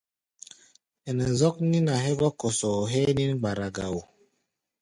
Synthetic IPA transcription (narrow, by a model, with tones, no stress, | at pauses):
ɛ˨nɛ˨zɔ˦k̚ni˦na˨ɦɛ˦bɔ˦kɔ˨sɔ˨ɦɛ˦ni˦n˦ɡ͡ba˨ɾa˨ɡa˨wu˨